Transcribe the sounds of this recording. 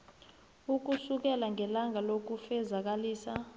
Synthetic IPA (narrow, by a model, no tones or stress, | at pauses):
uk̬usuk̬ɛlaŋʱɛlaŋʱalok̬ufɛzak̬aliːsa